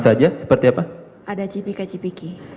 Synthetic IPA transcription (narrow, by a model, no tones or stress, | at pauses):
sad͡ʒasə̥pərt̪iapa | ʔadat͡ʃipikat͡ʃipiki